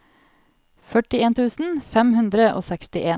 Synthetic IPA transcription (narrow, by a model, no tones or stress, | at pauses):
fœʈɪeːnt̪ʰʉːsn̩fɛmhʉnd̪ɾəʔo̰ːsɛkst̪ɪʔeː